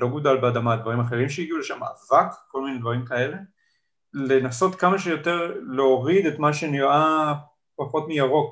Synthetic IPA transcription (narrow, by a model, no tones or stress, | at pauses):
lo̞ɡudalbeadamad̪vaʁimaχe̞ʁimʃehiɡiuleʃama̰avakko̞lmined̪vaʁimkae̞le̞ | lenaso̞t̪kamaʃejo̞te̞ʁleoʁide̞t̪maʃenia | paχo̞tmijaʁo̞k